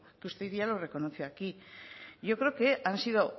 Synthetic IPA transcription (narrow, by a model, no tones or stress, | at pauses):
keust̪eiðialore̞ko̞noθiaki | ʝo̞kɾekeʔansiðo